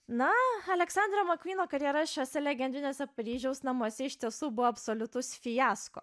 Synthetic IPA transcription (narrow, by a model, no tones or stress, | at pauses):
nɐɐlʲɛksɑnd̪ɾɐmɐkʋʲiːnoːkɐɾʲjɛɾɐʃʲoːsʲɛlʲɛɡʲɛnd̪ʲɾʲɪnʲoːsʲɛpɐɾʲiːʒʲɛʊsnɐmuɔsʲɛɪʃʲt̪ʲiɛsuːbʊʋoːɐpsoːlʲʊt̪ʊsfʲɪjæːsko̰ː